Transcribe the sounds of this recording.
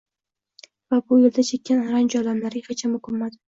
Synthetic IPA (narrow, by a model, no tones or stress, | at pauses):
vabʊjɪld̪at͡ʃʰekʲʰːanaɾand͡ʒɒlamlaɾʲɪχat͡ʃʰamʊkʊmːad̪